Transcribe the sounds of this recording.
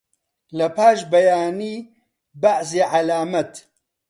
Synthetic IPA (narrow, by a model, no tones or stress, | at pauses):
lɐpʰaːʃbɐjaːniː | baʕseːʕalaːmɐt̪